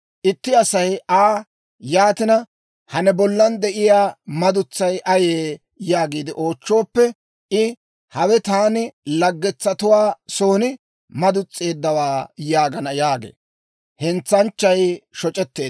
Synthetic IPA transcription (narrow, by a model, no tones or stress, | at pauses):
ʔɪt̪ːɪɐsɐjʔaː | jaːt̪ɪnɐ | hɐnɛbɔlːɐnd̪ɛʔɪjaːmɐd̪ʊt͡sːɐjʔɐjeː | jaːɡiːd̪ɪʔo̞ːt͡ʃːo̞ːpːɛ | ʔɪ | hɐwɛt̪aːnɪlɐɡːɛt͡sːɐt̪ʊwaːso̞ːnɪ | mɐd̪ʊt͡sʼːe̞ːd̪ːɐwaːjaːɡɐnɐjaːɡḛː | hɛnt͡sːɐnt͡ʃːɐjʃɔt͡ʃʼɛt̪ːe̞ː